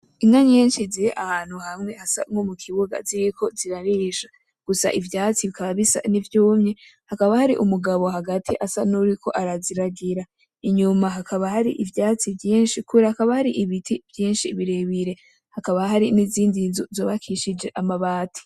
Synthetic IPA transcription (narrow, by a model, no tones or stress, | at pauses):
inaɲeːnʃiziɾeʔahaːn̥huhamŋe̞hasa̰mŋomukʰiβuɡa̰ziɾikʰo̞ziɾaɾiːʃḁ | ɡ̥usa̰ʔivjaːt͡siβikaβaβisa̰nivjuːmɲehakaβahaɾiʔumuɡaβo̞haɡatʰiʔasanuɾikʰo̞̰ʔaɾaziɾaɡiɾa | iɲumaɦakʰaβaɦaɾiʔivjaːt͡sivjiːnʃikuβiɾahakaβahaɾiʔiβitʰiv̥jiːnʃiβiɾeβiɾe̞ | hakaβaɦaɾiniziːndizuzoːβakʰiʃid͡ʒe̞ʔamaβaːtʰi̥